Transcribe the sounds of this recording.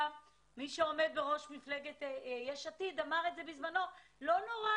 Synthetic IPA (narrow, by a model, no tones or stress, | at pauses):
miʃeo̞me̞d̪̚beʁo̞ʃmifleɡet̪jeʃatid̪amaʁetze̞bizmano̞lo̞noʁa